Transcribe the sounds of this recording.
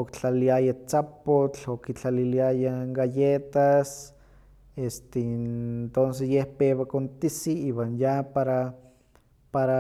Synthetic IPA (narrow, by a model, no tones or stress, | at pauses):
okt͡ɬaliajat͡sapot͡ɬokit͡ɬaliliajaŋɡajet̪as | est̪ent̪ons̬esjehpewakont̪isiiːwanjapaɾa | paɾa